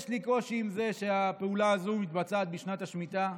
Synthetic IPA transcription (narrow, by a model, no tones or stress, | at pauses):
ʃliko̞ʃiːmze̞ʃeapeulaːzumit̪bat͡saːt̪̚biʃnat̪aʃmit̪a